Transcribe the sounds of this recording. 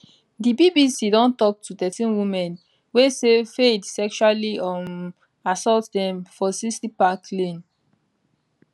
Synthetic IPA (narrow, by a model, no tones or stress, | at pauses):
dibibisidɔ̃ntɔk̚tʰutɛtĩnwimɛ̃n | wesefedsɛkʃualiɔm | asɔltdɛ̃mfɔsistipakʰlẽn